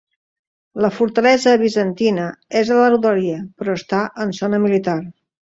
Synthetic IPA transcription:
ləfuɾt̪əlɛzəβizənt̪inəezələruðoɾiəpɾɔəst̪aʔənsonəmilit̪ar

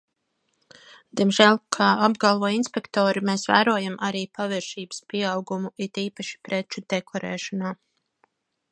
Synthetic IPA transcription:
d̪̥iɛmʒælʲkʰaːab̚ɡalˠvɔɔinspɛkt̪ɔːɾimeːsvæ̰ːɾuɔjamʔaɾiːpaviɾʃiːbə̥spiɛɑwɡumuit̪iːpaʃi̥pɾɛt͡ʃud̪̥ɛkʰɔɾʔɛ̰ːʃɔnaː

